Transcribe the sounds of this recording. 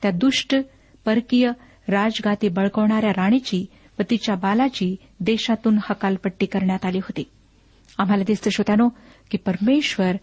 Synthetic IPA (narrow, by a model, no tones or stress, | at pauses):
t̪jad̪uʂʈ | pəɾkijə | ɾad͡zɡat̪iːbəɭkəʋɳ̃aɾjaɾaɽ̃et͡ɕiː | ʋət̪it͡ɕjabalat͡ɕiː | d̪eɕat̪uːnhəkalpəʈːiːkəɾɳjat̪aliːɦot̪iː | am̤alad̪ist̪əɕot̪ano | kiːpəɾmeɕʋəɾ